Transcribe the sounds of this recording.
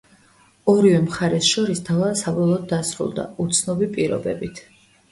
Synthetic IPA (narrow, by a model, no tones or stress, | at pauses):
ɔɾivɛmχaɾɛsʃɔɾist̪ʰavasabɔlˠɔːd̪̚ːasɾṵlˠd̪a̰ut̪sʰnɔbipʼiɾɔ̰bɛbit̪ʰ